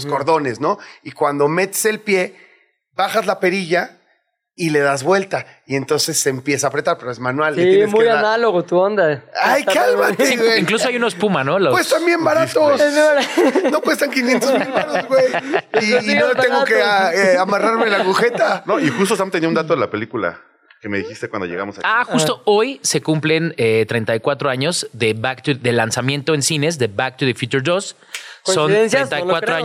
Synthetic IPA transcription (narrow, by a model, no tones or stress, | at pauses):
skoɾðo̞nesno̞ikwand̪o̞me̞t̪e̥se̞lpje̞ | βaxazlape̞ɾiʝa | ile̞ðazβwe̞lt̪a | ie̞nt̪o̞nse̞sːempje̞saːpɾe̞t̪aɾpe̞ɾoezmanwalseitjeesmuejaanaloɣot̪uond̪aajkalmaeweiŋklusoajunospumanolopwest̪ambje̞mbaɾat̪os | no̞pwest̪aŋkinjent̪omilpaɾozɣwejinot̪eŋɡokeeamaraɾmelaɣuxet̪anoixust̪osamt̪eniðound̪at̪oðelape̞likula̰ | keme̞ðixist̪e̞kwand̪ojḛɣamosa̰axust̪o̞o̞jse̞kumple̞net̪ɾejnt̪ajkwat̪ɾo̞aɲo̞zðe̞βakt̪uðe̞lansamje̞nt̪o̞ensine̞zðe̞βak̚t̪uðefjut͡ʃuɾdos | sonɾent̪ajkwat̪ɾoaɲ